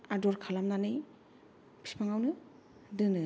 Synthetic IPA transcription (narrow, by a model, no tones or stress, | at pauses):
adɔɾkʰalamnanɯj | pʰi̥pʰaŋawnɯ | dɯnɯ